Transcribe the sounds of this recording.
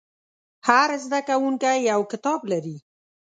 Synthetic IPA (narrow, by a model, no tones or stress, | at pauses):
haɾzd̪akawuŋkajjawkɪt̪ɑblaɾi